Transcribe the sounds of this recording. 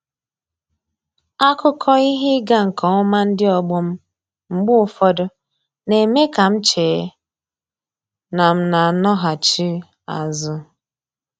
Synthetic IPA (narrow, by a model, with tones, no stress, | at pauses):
a˦kʊ˦kʰɔ˦i˦ɦɪ˦ɡa˦ŋ̩˨kɔ˨ʊ˦ma˦n̩˦dɪ˦ɔ˨ɡ͡bʊ˦m̩˦ | ŋ͡m̩˨ɡ͡bʊ˦ʊ˨fɔ˦dʊ˦ | ne˨me˦ka˨m̩˦t͡ʃeː˨˦ | na˨m̩˦na˨nɔ˦ɦa˨t͡ʃi˦ | a̰˨zʊ˦